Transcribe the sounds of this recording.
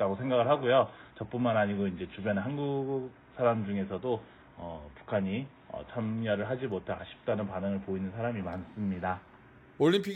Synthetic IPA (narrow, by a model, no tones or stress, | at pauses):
t͈aɡosʰe̞ŋɡaɡɯɭɦaɡojot͡ɕʌp͈̚unmanɦaɲiɡoind͡ʑe̞t͡ɕubjʌnɯnɦanɡuk̚ | sʰaɾamd͡ʑuŋe̞sʰʌdo | ʌpu̥kʰaɲi | ʌ̰t͡ɕʰʌmɲʌɾɯɭɦad͡ʑimotʰaaɕʰi̥p̚t͈anɯnpanɯŋɯɭpoinɯnsʰaɾamimans͈ɯmɲida | oɭʎːimpʰi